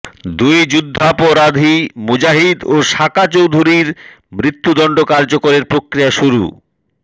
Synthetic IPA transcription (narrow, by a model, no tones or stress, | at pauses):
d̪ujd͡ʑud̪ʱːapoɾad̪ʱimud͡ʑaɦid̪oʃakat͡ɕowd̪ʱuɾiɾ | mɾit̪ːud̪ɔɳɖokaɾd͡ʑokoɾeɾpɾokɾijaʃuɾṵ